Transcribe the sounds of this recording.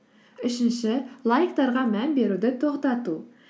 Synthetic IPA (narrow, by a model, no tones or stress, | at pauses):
ʏʃɪnʃɪlˠajikt̪ɑɾʁɑmænbe̞ɾud̪ɪt̪ʰoqt̪ɑt̪u